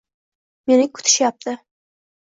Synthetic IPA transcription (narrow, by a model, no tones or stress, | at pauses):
me̞nɪkʰʊ̥t̪ʰɪ̥ʃjap̚t̪ʰɪ